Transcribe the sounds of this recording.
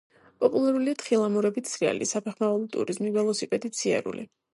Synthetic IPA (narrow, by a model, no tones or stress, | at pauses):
pʼɔpʼulˠaɾuliat̪χilˠamuɾɛbit̪sʰɾia̰lḭsapʰɛχmavɛlˠɔt̪ʼṵɾizmivɛlˠɔsipʼɛd̪it̪sʰia̰ɾṵlḭ